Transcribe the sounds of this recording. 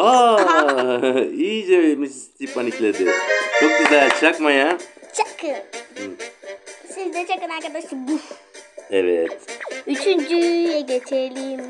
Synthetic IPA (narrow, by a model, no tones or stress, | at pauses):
a | iːd͡ʒemisst̪ʰipanikled̪it͡ʃʰok̚bizælt͡ʃʰakmajat͡ʃʰakɯ | sizd̪ɛt͡ʃʰakɯnakad̪asibu | eʋet̪yt͡ʃʰynd͡ʒyjɛɡʲet͡ʃʰelim